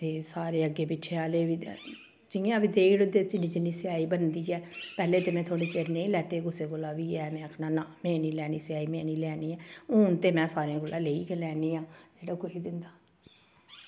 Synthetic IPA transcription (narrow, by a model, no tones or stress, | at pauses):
t̪eːsaːɾeːəɡːeːpɪʃʰeaːleːʋḭː | d͡ʒɪŋẽãːbiːd̪eːkɽd̪eːt̪ɪniːd͡ʒɪnːiːsɪaːiːbənd̪iːɛːpɛːleːt̪eːmɛ̃ːt̪ʰoːɽeːt͡ʃeːɾnẽĩlɛːt̪eːɡʊseːkolaːʋiːɛːmɛ̃ːəkʰnaːnaːmɛ̃ːniːlɛːniːsɪjaːiːmɛ̃ːniːlɛːniːɛːʊːnt̪eːmɛ̃ːsaːɾeãɡʊlãːleːiːkɛlɛːniːãːd͡ʒeːɽaːkoːiːd̪ɪnd̪aː